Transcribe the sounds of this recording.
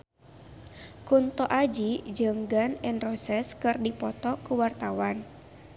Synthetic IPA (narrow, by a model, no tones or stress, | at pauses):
kunt̪ɔʔad͡ʒid͡ʒəŋɡanɛnrɔsɛskɨrdipɔt̪ɔkuwart̪awan